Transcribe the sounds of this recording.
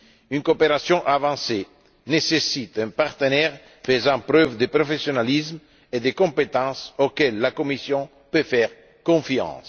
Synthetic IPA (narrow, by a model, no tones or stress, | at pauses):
ynkopeɾasjɔ̃ʔavɑ̃se | nesesit̪ɛ̃paʁt̪ənɛʁ | fezɑ̃pɾøvd̪əpɾofesjonalism | ed̪ekɔ̃mpet̪ɑ̃sokɛlːakomisjɔ̃ | pøfɛʁ | kɔ̃fjɑ̰̃s